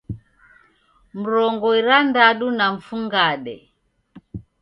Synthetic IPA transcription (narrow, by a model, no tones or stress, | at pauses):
m̩ɾɔŋɡɔiɾandaɗunaɱ̩fuŋɡaɗɛ̰